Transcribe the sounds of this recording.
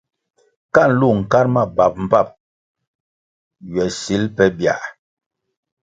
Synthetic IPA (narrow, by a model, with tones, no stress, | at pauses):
ka˦˨n˨lu˦˨ŋ̩˨ka˦ɾma˦˨ba˨p̚m̩˨pa˦˨p̚ | ɥɛ˨si˨˦lpɛ˦bja̰˨ʔ